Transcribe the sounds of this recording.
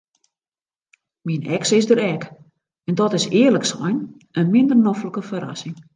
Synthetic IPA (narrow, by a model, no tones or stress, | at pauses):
minɛksɪsdəɾɛk | ɛndɔtɪsɪːərləksɔjn | ənmɪndərnɔfləkəfəɾa̰sɪŋ